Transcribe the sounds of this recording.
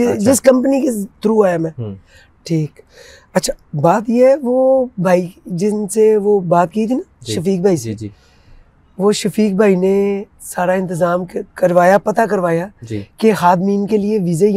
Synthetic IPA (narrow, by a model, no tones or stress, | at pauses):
d͡ʒɪskɐ̃mpəniket̪ʊɾuaːjamɛ̃ː | ʈʰiːk | ɐtːʃʰḁːbaːt̪jeɦɛʋobʱaːid͡ʒɪnseʋobaːt̪̚kiːt̪ʰinaʃɐfiːk̚bʱaːise | ʋoʃɐfiːk̚bʱaːine | saːɾaɪ̃nt̪ɪzaːmkkɐɾʋaːjapɐt̪akɐɾʋaːjad͡ʒkehaːd̪miːnkelieʋɪzej